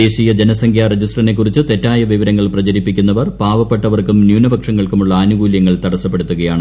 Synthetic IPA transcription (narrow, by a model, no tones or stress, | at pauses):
eːɕijɐd͡ʑenɐsɐŋɡʰʱjaːred͡ʑisʈrɐine̞kːurit͡ɕːɨt̪e̞tːaːjɐʋiʋɐɾɐŋːɐɭprɐt͡ɕɐɾipːikʲːunːɐʋɐrpaːʋɐpːe̞ʈːɐʋɐrkumnjuːnɐbɐkʂɐŋːɐɭkumuɭːɐːnuɡuːljɐŋːɐɭt̪ɐɽɐsːɐpːe̞ɽut̪ːuɣɐjaːɳɨ